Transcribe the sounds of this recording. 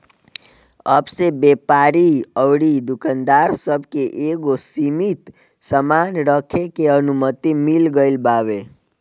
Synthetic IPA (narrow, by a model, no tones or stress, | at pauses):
əbsebepaɾiəʋɽid̪ukənd̪aɾsəbʱkeʔeɡosimit̪ | səmanɾəkʰekeənumət̪imilɡəɪlbaːʋe